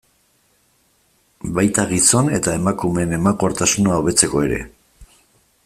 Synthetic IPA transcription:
bajt̪aɣiso̞ne̞t̪ae̞makume̞ne̞mako̞ɾt̪asunaoβe̞t͡se̞ko̞e̞̰ɾe̞̰

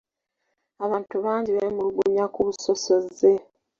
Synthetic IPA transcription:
aβaːntuβaːɲɟiβemuluɡuɲakuβuso̞so̞ze̞

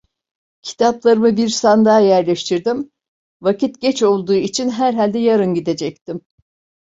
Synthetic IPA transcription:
cʰi̥t̪ʰaplˠaɾɯmɯbiɾsand̪aːjæɾlʲɛʃt̪ʰiɾd̪im | vacit̪ɟɛt͡ʃo̞lˠd̪uːit͡ʃʰinɦæɾɦalʲd̪ɛjaɾɯnɟid̪e̞d͡ʒɛc̚t̪ʰim

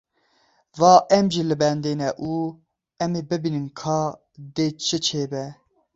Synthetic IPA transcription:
vɑːʔɛmʒilɨbɛnd̪eːnɛʔuː | ɛmeːbɨbinɨnkʰɑː | d̪eːt͡ʃʰɨt͡ʃʰeːbɛ

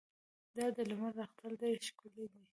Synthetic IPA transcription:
d̪ɑd̪əlʊmaɾːaxt̪ald̪ajʃkuled̪i

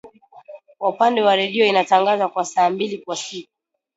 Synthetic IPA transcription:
kwaupandɛwaɾɛɗiɔinataŋɡazakwasaːmbilikwasiku

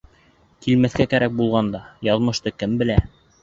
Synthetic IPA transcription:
kilmæθkækæɾæk̚bulˠʁɑnd̪ɑjɑðmɤ̆ʃt̪ɤkɘmbɘ̆læ

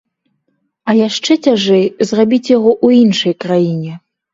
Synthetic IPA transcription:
ɐjaʂt͡ʂɛt͡sʲaʐɛjzrabʲit͡sʲjaɣɔʔuinʂɐjkɾajinʲɛ

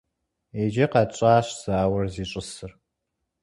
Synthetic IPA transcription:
ed͡ʒɪqɑt͡ʃʼaːɕʷz̥aːwɐrziɕʷʼɨsɨr

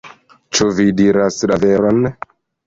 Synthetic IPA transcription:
t͡ʃuvidiɾaslaveɾon

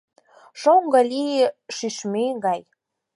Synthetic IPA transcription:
ʃoŋɡə̆lʲiʃyʃmeɡɑj

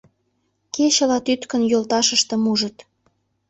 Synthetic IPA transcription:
ket͡ɕəlɑt̪yt̪kə̆njolt̪ɑʃəʃt̪ə̆muʒət̪

